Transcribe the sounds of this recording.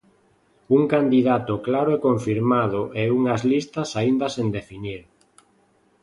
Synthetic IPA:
uŋkand̪iðat̪ʊklaɾoɛkoɱfiɾmað̞ʊʔɛuŋazlist̪ɐsaind̪ɐsend̪efiniɾ

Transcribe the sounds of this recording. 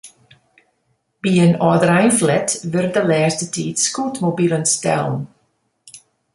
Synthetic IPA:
b̥iːənɔðɾajnflɛtʰvərdəlɛːstətʰiːd̥skuːtʰmobiːlˠənstɛ̰lˠn

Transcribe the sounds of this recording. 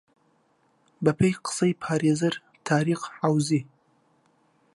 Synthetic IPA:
bapəjqə̥səjpʰɑɾezəɾ | t̪ʰɑːɾiqawzi

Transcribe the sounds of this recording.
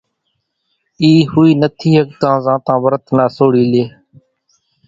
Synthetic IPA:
iːhʊːiːnət̪ʰiːɦək̚t̪ãːzãːt̪ãːʋəɾət̪naːsoːɽiːleː

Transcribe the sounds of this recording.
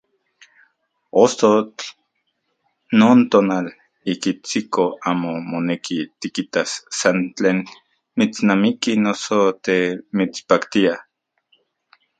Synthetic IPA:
ost̪ot͡ɬ | noːnt̪oːnal | ikit͡sikoaːmomonekit̪ikit̪asːant͡ɬeːn | mit͡snamikinosot̪emit͡spakt̪ia

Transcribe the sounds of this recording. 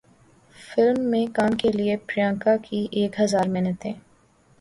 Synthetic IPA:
fɪlmːẽkaːmkeliepɾijãːŋkakʰiʔeːkɦɐzaːɾmɪnət̪ɦẽː

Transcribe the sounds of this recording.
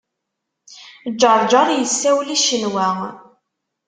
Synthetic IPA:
d͡ʒːəɾˤd͡ʒɑɾˤjəsːæwliʃənwæ

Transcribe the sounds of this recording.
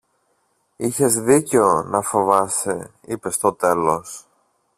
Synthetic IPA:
içe̞zðice̞o̞nɐfo̞vɐse | ipe̞st̪o̞t̪e̞lo̞s

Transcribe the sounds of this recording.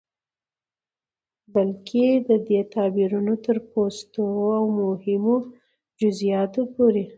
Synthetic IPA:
balkʰed̪əd̪et̪ɑbiɾunot̪əɾpost̪oawmohɪmo | d͡ʒʊzijɑt̪opoɾe

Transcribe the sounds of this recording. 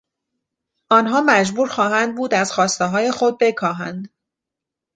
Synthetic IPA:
ʔɒːnɦɒːmæd͡ʒbuːɾxɒːɦænd̪̚buːd̪æz̥xɒːst̪eɦɒːje̞xod̪̚be̞kʰɒːɦænd̪

